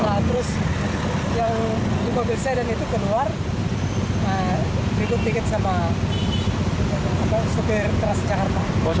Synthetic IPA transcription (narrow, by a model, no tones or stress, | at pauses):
lat̪əɾʊs | jaŋ | mobɪlsadanit̪ukəluar | əɾikʊt̪̚ːikɪt̪̚sama | amasupɛrt̪əɾasd͡ʒakart̪a